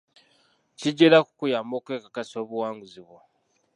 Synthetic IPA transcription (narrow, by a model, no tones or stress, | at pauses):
ciɟeɾaku̥kujaːmo̞ːkwe̞ːkakasio̞ːβuwaːŋɡuziβwo